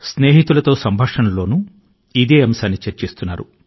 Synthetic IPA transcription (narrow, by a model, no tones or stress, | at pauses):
sne̞ːɦit̪ulɐt̪o̞ːsɐmbʱaːkʂɐnɐlo̞ːnu | id̪eːɐmsaːnːit͡ʃɐɾt͡ʃest̪unːaːɾṵ